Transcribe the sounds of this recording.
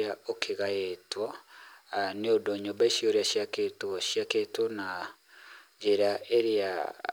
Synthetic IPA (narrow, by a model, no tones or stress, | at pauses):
aokʰeɣaetwa | neodoɲombaiʃioɾeaʃiaketoʃiaketona | d͡ʒeɾaʔeɾea̰